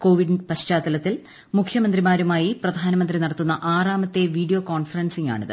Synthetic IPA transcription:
ko̞ːʋiɖpɐɕt͡ɕaːt̪ːɐlɐt̪ːil | mukʰjɐmɐnd̪rimaːɾumaːjiprɐd̪ʱaːnɐmɐnd̪rinɐɽɐt̪ːunːɐʔaːraːmɐt̪ːe̞ʋiːɖijo̞ːkoːɳfɐrɐnsiŋɡa̰ːɳiðɨ̰

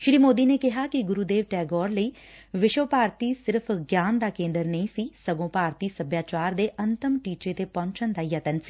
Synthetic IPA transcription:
ʃɽiːmoːd̪iːneːkɪɦaːkɪɡʊɾuːd̪eːʋʈɛːɡɔːɾləiː | ʋɪʃəpaːɾt̪iːsɪɾpʰɡjaːnd̪aːkẽːnd̪əɾnəĩːsiːsəɡõːpaːɾt̪iːsəbjaːt͡ʃaːɾd̪eːʔənt̪əmʈiːt͡ʃeːt̪eːpɔ̃ːɲt͡ʃənd̪aːjət̪ənsi̥ː

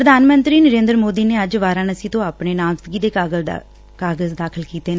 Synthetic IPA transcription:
pɾəd̪ʱaːnmənt̪ɾiːnəɾẽːnd̪əɾmoːd̪iːneːəd͡ʒʋaːɾãːnəsĩːt̪õːaːpneːnãːmst̪ɡiːd̪eːkaːɡəl | kaːɡəzd̪aːkʰəlkiːt̪eːnãː

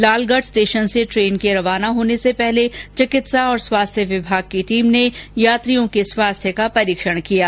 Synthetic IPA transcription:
laːlɡəɖsʈeːʃənseʈɾeːnkeɾɐʋaːnaɦoːnesepɛɦlet͡ʃɪkɪt̪saɔːɾswaːst̪ʰjəʋɪbʱaːɡ̚kiʈiːmnejaːt̪ɾijõkeswaːst̪ʰjəkapɐɾiːkʃə̃kijaː

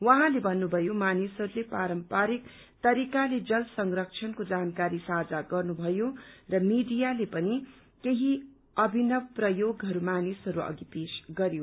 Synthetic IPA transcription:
wʌɦãlebʱʌnːubʱʌjomanisʌɾulepaɾʌmpaɾik | t̪ʌɾikaled͡zʌlsʌŋrʌk̚t͡ʃʰʌnkod͡zankaɾisad͡zaɡʌrnubʱʌjorʌmiɖijalepʌni | keɦi | ʌbʱinʌbprʌjoɡɦʌɾumanisʌɾuʌ̰ɡipesɡʌɾjo

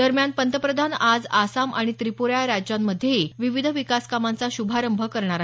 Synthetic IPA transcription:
d̪əɾmjanpənt̪əpɾəd̪ʱanad͡zasamʔaɽ̃it̪ɾipuɾjaɾad͡ʑjamːəd̪ʱːjeiʋiʋid̪ʱəʋikaskamant͡saɕubʱaɾəmbʱəkəɾɳ̃aɾa

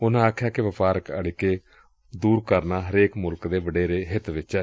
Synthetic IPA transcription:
ʊnãːaːkʰjaːkɪʋəpaːɾəkə̰ɽkeː | d̪uːɾkəɾnaːɦəɾeːkmʊlkd̪eːʋəɖeːɾeːɦɪt̪ʋɪt͡ʃɛː

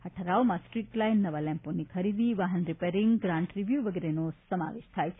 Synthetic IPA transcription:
əʈʰəɾaomãsʈɾiʈlajinːəʋalɛ̃mponikʰəɾid̪iʋaɦənɾipeɾiŋɡɡɾãɳʈɾiʋjuʋəɡeɾenosəma̰ʋeʃt̪ʰajt͡ʃʰe

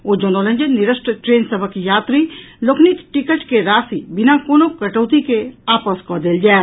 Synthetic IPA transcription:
oːd͡ʒonolə̃ɲd͡ʒənɪɾəʃʈɾəʈɾeːnsəbʱəkjaːt̪ɾilokʰnit̪ʈɪkəʈkeɾaːsibɪnakoːnokəʈəːt̪ikeaːpəskɔd̪eːld͡ʒaːe

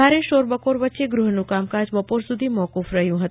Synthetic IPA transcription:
aɾeʃoɾbəpoɾʋətːʃeɡɾʊɦnũkamkad͡ʒbəpoɾsud̪ʱimɔkufɾəɦjũɦət̪

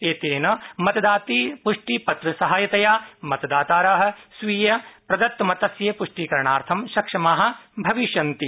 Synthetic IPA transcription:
eːt̪eːnɐmɐt̪ɐd̪aːt̪iːpuʂʈipɐt̪ɾɐsɐɦajɐt̪ɐjaːmɐt̪ɐd̪aːt̪aːɾaːɦɐ̆sʋiːjɐpɾɐd̪ɐt̪ːɐmɐt̪ɐsjɐpuʂʈiːkɐɾɐɳaːɾt̪ʰɐmʃɐkʂɐmaːɦɐ̆bʱɐʋiʃjɐnt̪i

